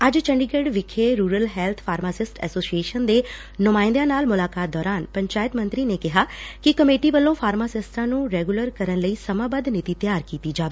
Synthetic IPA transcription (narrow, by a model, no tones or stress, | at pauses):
əd͡ʒt͡ʃəɳɖiːɡeɖʋɪkʰːeːɾuːɾəlɦɛːlt̪ʰpʰaːɾmaːsɪsʈɛ̰ːsoːsieːʃənd̪eː | nʊmãːɪ̃nd̪jãːnaːlmʊlaːkaːt̪̚d̪ɔːɾaːnpəɲt͡ʃaːɪt̪mə̃nt̪ɾiːneːkɪɦaːkɪkəmeːʈiːʋəlːõːpʰaːɾmaːsɪsʈãːnũːɾɛːɡʊləɾkəɾənləiːsəmãːbəd̪nɪt̪iːt̪jaːɾkiːt̪iːd͡ʒaːʋeː